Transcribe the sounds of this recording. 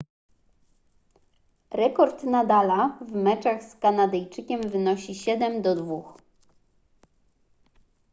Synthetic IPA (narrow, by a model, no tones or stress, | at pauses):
ɾɛkɔɾt̪nad̪alavmɛt͡ʂaɣskanad̪ɛjt͡ʂɘkʲɛmvɘnɔɕiɕɛd̪ɛmd̪ɔd̪vux